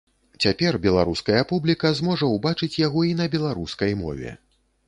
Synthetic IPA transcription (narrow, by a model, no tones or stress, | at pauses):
t͡sʲapʲɛrbʲɛlˠaɾuskɐjɐpublʲikɐzmɔʐɐwbat͡ʂɨt͡sʲjaɣɔinɐbʲɛlˠaɾuskɐjmɔ̰vʲɛ̰